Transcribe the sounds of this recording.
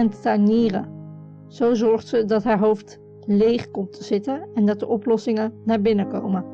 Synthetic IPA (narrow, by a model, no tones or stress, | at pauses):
ɛnttaniːrə̰ | z̥owzɔɹχtsədɑtɦaːɹɦowft | lejχkɔmtʰəz̥ɪtənɛndɑt̚dəʔɔplɔsɪŋənaːɹbɪnəko̰wmə